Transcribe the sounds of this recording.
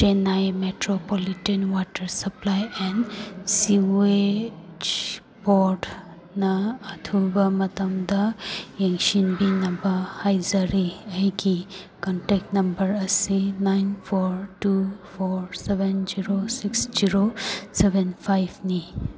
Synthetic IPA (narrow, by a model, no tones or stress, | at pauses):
tenajmetɾopolitenwatɐɾsɐplajɛnsiuet͡ʃ | boɾd | nɐːtʰubɐmɐtɐmdɐjeŋsinbinɐbɐhajzɐɾiɐɡi | kɔnʈek̚tnɐmbɐɾɐsinajnpʰoɾtupʰoɾsebend͡ʒiɾosiksd͡ʒiɾosebʱenpʰajbʰni